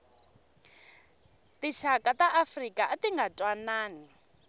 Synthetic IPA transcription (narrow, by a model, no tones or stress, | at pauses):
tiʃakʼataʔafrikaatiŋɡatʼwanaːni